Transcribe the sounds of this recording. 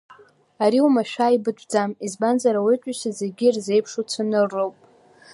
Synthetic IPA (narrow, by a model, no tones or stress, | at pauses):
aɾiumaʃᶣaibɨdʷʰʼd͡zamizbanzaɾawit͡ʃʷʼaʃazeɡʲirze̞jpʰʂut͡sʷʰanɨrːowpʼ